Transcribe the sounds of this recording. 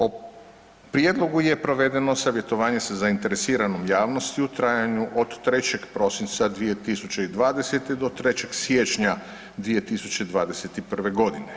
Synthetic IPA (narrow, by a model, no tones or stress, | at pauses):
o | pɾijed̪lˠo̞ɡuje̞pɾo̞ʋe̞d̪e̞no̞saʋje̞t̪o̞ʋaːɲe̞sazaint̪e̞ɾesiːɾanomjaːʋno̞st̪iut̪ɾajaɲuʔod̪ːɾe̞t͡ɕe̞ɡpɾo̞sint̪sad̪ʋije̞t̪isut͡ɕe̞id̪ʋaːd̪ese̞t̪ed̪o̞t̪ɾe̞t͡ɕe̞ɡsjet͡ʃɲa | d̪ʋije̞t̪isut͡ɕe̞id̪ʋaːd̪eset̪ipr̩ʋe̞ɡo̞d̪ine